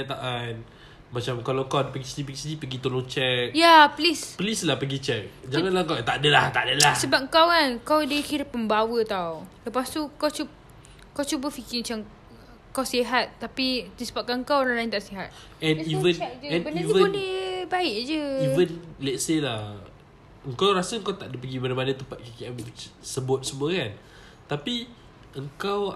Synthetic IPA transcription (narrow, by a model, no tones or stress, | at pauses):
at̪aʔan | mat͡ʃamkalawkawdapəɡisədipəɡisədipəɡit̪olõt͡ʃɛk̚japlispəlislahpəɡit͡ʃɛk̚d͡ʒalanlakat̪adəlaht̪adalahssəbap̚ŋkawkankawdəkiɾəpːəmbawət̪awləpast̪ukawt͡ʃu | kawt͡ʃubəfikiŋt͡ʃam | kawsiɦat̪̚ːapidisə̥bap̚kanəŋkawoɾaŋlaint̪aʔsiɦat̪̚ | ɛ̃nivənd͡ʒəɛ̃nbənvəodibaɪʔd͡ʒəivənlɛt̪̚selah | əŋkawɾasəəŋkawt̪aʔdipəɡibəɾapadat̪əmpat̪̚kikiʔɛmsəbʊt̪̚səmuəkan | t̪api | əŋkaw